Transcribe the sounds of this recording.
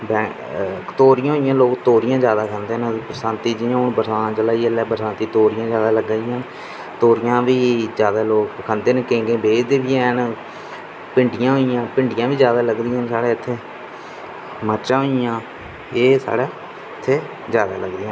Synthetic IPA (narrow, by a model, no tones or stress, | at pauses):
bɛ̃ | t̪oːɾɪjãːɦoːijãːloːkt̪oːɾɪjãːzjaːd̪aːkʰə̃nd̪eːnpɾsãːnt̪iːd͡ʒiːãːʊnbəɾsãːt͡ʃəlaːiːɛlɛːbəɾsãːnt̪iːt̪oːɾɪjãːd͡ʒjaːd̪aːləɡaːiːãːn | t̪oːɾɪjãːʋiːd͡ʒjaːd̪aːloːkkʰãnd̪eːnːkẽːŋɡẽːbeːd͡ʒd̪eːbiːãːn | pɪɳɖɪjãːɦoːijãːpɪɳɖɪjãːʋiːd͡ʒjaːd̪aːləɡd̪iːãːnsaːɽeːɪt̪ʰːeː | məɾt͡ʃãːɦoːijãː | eːsa̰ːɽaː | t̪ʰːeː | zjaːd̪a̰ːləɡd̪iːãː